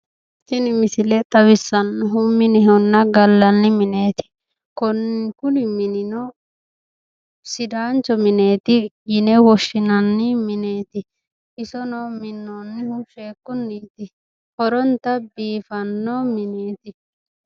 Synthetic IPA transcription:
sɪnɪmɪsɪlɛt̪ʼɐwɪsːɐnːɔɦʊmɪnɪɦɔnːɐɡɐlːɐnːɪmɪne̞ːt̪ɪ̥ | kɔnkʊnɪmɪnɪnɔ | sɪd̪aːnt͡ʃɔmɪneːt̪ɪjɪnɛwɔʃːɪnɐnːɪmɪne̞ːt̪ɪ | ʔɪsɔnɔmɪnːɔnːɪhʊʃeːkːʊnːiːt̪ɪ | hɔɾɔnt̪ɐbiːfɐnːɔmɪneːt̪ɪ

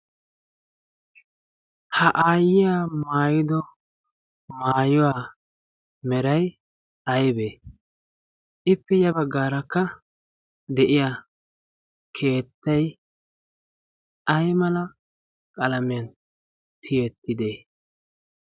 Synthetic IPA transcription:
hɐʔaːjɪjaːmaːjɪd̪ɔ | maːjɔwaː | mɛɾɐj | ɐjbeː | ʔɪpːɛjɐbɐɡːaːɾɐkːɐ | d̪ɛʔɪjaː | kʰe̞ːt̪ːɐj | ʔɐjmɐlɐ | kʼɐlɐmɪjɐn | t̪ʰɪjɛt̪ːɪd̪eː

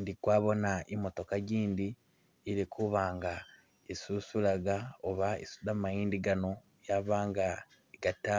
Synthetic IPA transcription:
ndikwaːβo̞naʔimo̞to̞kaɟiːndiː | ɾikʰuβaːŋɡa | esusulaɡaoβaḭsudamajiːndiɡano̞ | jaβaːŋɡa | eɡata

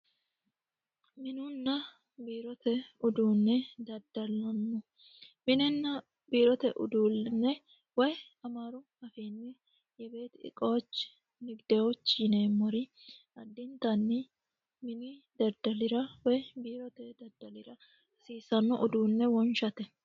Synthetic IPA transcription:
mɪnunːɐ | biːɾɔt̪ɛʊd̪uːnːɛd̪ɐɾd̪ɐlɐnːɔ | mɪnɛnːɐ | biːɾɔt̪ɛʔʊ̰d̪uːnːɛ | wɔj | ɐmaːɾʊ | ɐfiːnːɛ | jɛbe̞ːt̪ɪ̰kʼoːt͡ʃː | nɪɡd̪̥ɛot͡ʃːɪneːmɔɾɪɐd̪ːɪnt̪ɐnːɪ | mɪnid̪ɐd̪ɐlɪɾɐwɔjbiːɾɔt̪ɛd̪ɐd̪ɐlɪɾɐ | siːsɐnːɔʔʊd̪uːnːɛwɔnʃɐt̪ɛ

